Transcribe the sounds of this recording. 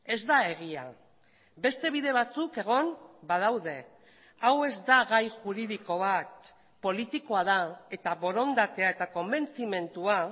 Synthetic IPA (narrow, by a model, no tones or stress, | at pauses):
e̞zd̪ae̞ɣ̞ia̰ | be̞st̪e̞β̞iðe̞β̞at͡suke̞ɣo̞mbað̞awðe̞ | awe̞zd̪aɣajʝuɾiðiko̞βat̪ | po̞lit̪iko̞aðae̞t̪aβo̞ɾo̞nd̪at̪e̞ae̞t̪ako̞mbe̞nt͡sime̞nt̪ua